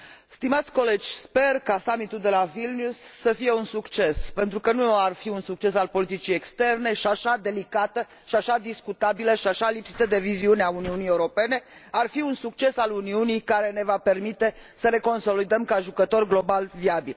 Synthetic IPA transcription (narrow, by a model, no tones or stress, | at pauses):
st̪imat̪sʲko̞le̞d͡ʒʲspe̞rkasamit̪uld̪e̞lavilnusːəfije̞unsukt͡ʃe̞spe̞nt̪ɾukənuarfiunsuk̚t͡ʃe̞salpo̞lit̪it͡ʃijekst̪e̞rne̞ʃiaʃad̪e̞likat̪ə | ʃiaʃad̪iskut̪abiləʃiaʃalipsi̥t̪əd̪e̞viziuneauniunijeuɾo̞pe̞ne̞ | arfiunsuk̚t͡ʃe̞saluniunijkaɾe̞ne̞vape̞rmit̪e̞səɾe̞ko̞nso̞lid̪əmkaʒukət̪o̞rɡlo̞balviabil